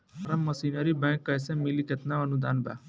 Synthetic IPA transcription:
ɐɾɐmːɐsinəɾibɛ̃ːŋkːɐjsẽmiliket̪naɐnud̪aːnba̰

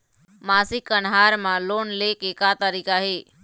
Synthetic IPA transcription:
maːsikːənɦaːɾmãloːnleːkeːkat̪əɾiːkaɦeː

